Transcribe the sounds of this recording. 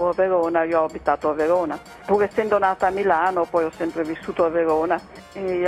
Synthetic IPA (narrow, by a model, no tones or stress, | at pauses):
oaveɾoːnaioɔabit̪aːt̪oaveɾoːna | puːɾesɛnd̪onaːt̪aːmːilaːnopɔjɔsːɛmpɾevisːuːt̪oaveɾoːna